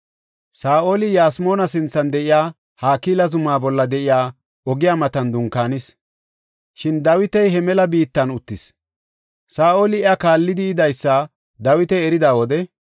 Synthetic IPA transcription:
saːʔo̞ːlɪjaːsmo̞ːnɐsɪnt͡sːɐnd̪ɛʔɪjaː | haːkiːlɐzʊmaːbɔlːɐd̪ɛʔɪjaː | ɔɡɪjaːmɐt̪ɐnd̪ʊŋkːaːnɪs | ʃɪnd̪ɐwɪt̪ɛjhɛmɛlɐbiːt̪ːɐnʊt̪ːɪs | saːʔo̞ːlɪɛɐkaːlːɪd̪ɪːd̪ɐjsːɐ | d̪ɐwɪt̪ɛɛɾɪd̪aːwɔd̪ɛ

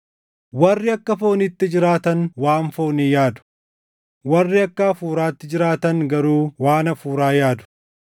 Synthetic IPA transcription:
wɐrːɪɐkːɐfo̞ːnɪt̪ːɪd͡ʒɪɾaːt̪ɐnwaːnfoːniːjaːd̪ʊ̥ | wɐrːɪɐkːaːfuːɾaːt̪ːɪd͡ʒɪɾaːt̪ɐŋɡɐɾuːwaːnɐfuːɾaːjaːd̪ʊ̥

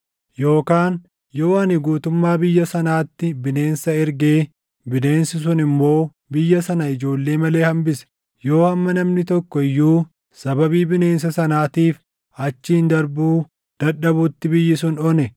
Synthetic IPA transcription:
jo̞ːkaːn | jo̞ːɐnɪɡuːt̪ʊmːaːbɪjːɐsɐnaːt̪ːɪbɪne̞ːnsɐɛɾɡe̞ː | bɪne̞ːnsɪs̬ʊnɪmːo̞ː | bɪjːɐsɐnɐɪd͡ʒo̞ːlːe̞ːmɐle̞ːhɐmbɪsɛ̥ | jo̞ːhɐmːɐnɐmnɪt̪ɔkːɔɪjːuː | sɐbɐbiːbɪne̞ːns̬ɐsɐnaːt̪iːf | ɐt͡ʃːɪɪnd̪ɐɾbuː | d̪̥ɐᶑɐbʊt̪ːɪbɪjːɪsʊnɔnɛ

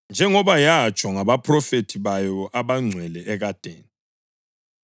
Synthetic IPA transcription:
nd͡ʒʱɛŋɔβajat͡ʃʼwaŋaβapʰʼrɔfetʰiβajɔʔaβaŋ͡ǀʱwɛlɛʔɛɣad̥ʱḛːni

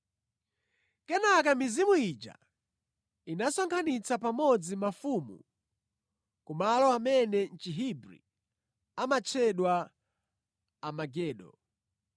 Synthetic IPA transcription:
kɛnakamizimuit͡ʃa̰ | inasɔŋkʰanit͡sapamɔd͡zimafumṵ | kumalɔamɛnɛn̩t͡ʃiɦibɾḭ | amat͡ʃʰɛɗwa | amaɡɛːɗɔ̰

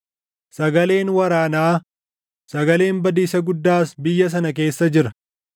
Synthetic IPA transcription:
sɐɡɐle̞ːnwɐɾaːnaː | sɐɡɐle̞ːmbɐd̪iːsɐɡʊd̪ːaːsbɪjːɐs̬ɐnɐk̬e̞ːsːɐd͡ʒɪɾɐ̥

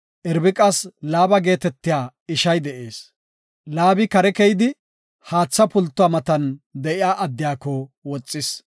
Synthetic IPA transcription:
ʔɪɾbɪkʼɐslaːbɐɡe̞ːt̪ɛt̪ːɪjaː | ɪʃɐjd̪ɛʔeːs | laːbɪkɐɾɛkɛjɪd̪ɪ | haːt͡sːɐpʊlt̪ːʊwaːmɐt̪ɐnd̪ɛʔɪjaːʔɐd̪ːɪjaːkːɔwɔt͡sʼːɪs

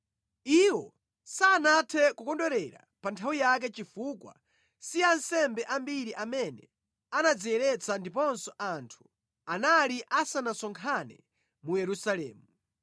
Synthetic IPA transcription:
iwɔ | saːnatʰɛkukɔndɔɾɛɾa̰ | pantʰawijak̬ɛt͡ʃifukwa̰ | siansɛmbɛʔambiɾiʔamɛnɛ | anad͡zijɛɾɛt͡sʰandipɔnsɔʔantʰu̥ | analiʔasanasɔŋkʰanɛ | mujɛɾusalɛ̰ːmu

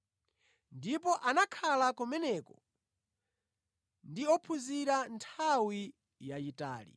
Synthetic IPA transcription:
ndipɔʔanakʰalakɔmɛnɛkɔ | ndiɔpʰuziɾantʰawi | jaita̰ːlḭ

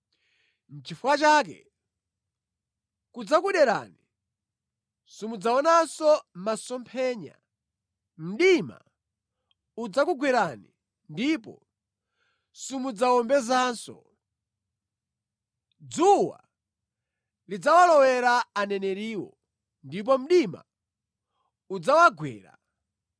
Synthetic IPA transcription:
n̩t͡ʃifuwat͡ʃaːk̬ɛ̰ | kud͡zakuɗɛɾa̰ni | sumud͡zaɔnasɔmasɔmpʰɛːɲa̰ | m̩ɗima̰ | ud͡zakuɡwiɾani | ndipɔ̰ | sumud͡zawɔmbɛzaːnsɔ̰ | d͡zuwa̰ | lid͡zawalɔwɛɾaanɛnɛɾiːwɔ | ndip̬ɔm̩ɗima̰ | ud͡zawaɡwɛ̰ːɾa̰

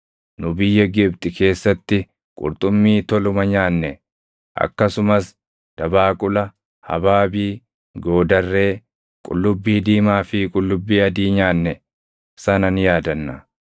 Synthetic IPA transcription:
nʊbɪjːɛɡɪb̚t̪ʼɪke̞ːsːɐt̪ːɪ | kʼʊ̰ɾt̪ʼʊmːiːt̪ɔlʊmɐɲaːnːɛ | ʔɐ̰kːɐsʊmɐs | d̪̥ɐbaːkʼʊlɐ | hɐ̰baːbiː | ɡo̞ːd̪ɐrːe̞ː | kʼʊ̰lːʊbːiːd̪iːmaːfɪkʼʊlːʊbːiːɐd̪iːɲaːnːɛ | sɐnɐnjaːd̪ɐnːɐ

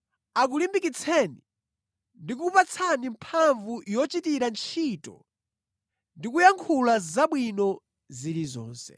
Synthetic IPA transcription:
ak̬ulimbikit͡sʰɛni | ndik̬upat͡sʰanimpʰaɱvujɔt͡ʃitiɾant͡ʃʰitɔ̰ | ndikujaŋkʰulazaɓwinɔ | zilizɔ̰ːnsɛ̰

